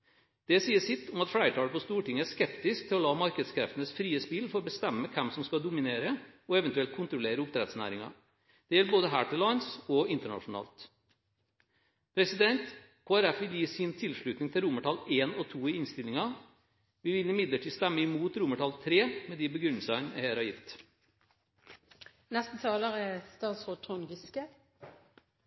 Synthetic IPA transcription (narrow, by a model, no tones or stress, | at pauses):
d̪̥ɛsiːəsɪt̪ʰːɔmɑt̪fɽæɪɾəʈ̪ʰɑːləpʰɔst̪uːʈɪŋːəæʂkɛpt̪ɪskt̪ʰɪlɔlɑːmɑɾkəd̪skʰɾɛ̰ft̪ənəsfɾiːəspɪlfɔɾɔbəst̪ɛmːəkʰɛmsɔmskɑd̪ʊmɪneːɾəɔɛʋənt̪ʉɛlt̪̚kʰʊnt̪ɾʊleːɾəʊp̚t̪ɾɛt̪snæ̰ːɾɪŋɑ̰ | d̪̥ɛjɛlːəboːd̪əɦæ̰ːʈɪlɑɪnsɔɪnt̪əɳɑ̰ʂʊnɑ̰ːlt̪ | pʰɾɛsɪd̪ɛnt̪ | kʰoːæɾɛfʋɪljiːsɪnt̪ʰɪlʂɭʉt̪nɪŋt̪ʰɪlɾʊməʈʰɑleːnɔt̪ʰuːiɪnst̪ɪlɪŋɑ | ʋɪʋɪlɪmɪd̪ləʈʰiːst̪ɛmːəɪmuːt̪ɾʊməʈɑlt̪ʰɾeːmɛd̪ibəɡɾʉnəl̩sɑnɛ̰ɪheːɾɑjɪt̪ː | nɛst̪n̩t̪ʰɑːləʁəst̪ɑːt̪sʁoːd̪̚t̪ʰʁʊŋɡɪskə